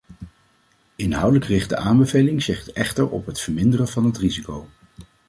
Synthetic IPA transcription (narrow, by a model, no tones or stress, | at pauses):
ɪnɦʌwdələkrɪχtdə̰ʔaːmbəvejlɪŋzɪχtɛ̰χtəɹɔ̰pɦətfəɹmɪndərəvɑnɦətrizikow